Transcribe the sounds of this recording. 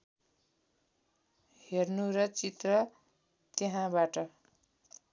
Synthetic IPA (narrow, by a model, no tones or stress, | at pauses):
hernuɾʌt͡sit̪rʌ | t̪eɦãbaʈʌ